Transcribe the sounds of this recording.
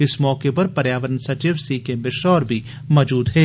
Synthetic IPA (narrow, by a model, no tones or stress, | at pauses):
ɪsmɔːkepɐɾpɐɾjaːʋəɾənsɐt͡ʃiːʋsiːkemɪʃɔːɾbʱi | mɔːd͡ʒuːd̪ɦɛː